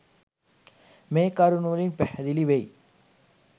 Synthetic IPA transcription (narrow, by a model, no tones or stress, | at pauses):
meːkaɾunuːlinpehɐðiliʋej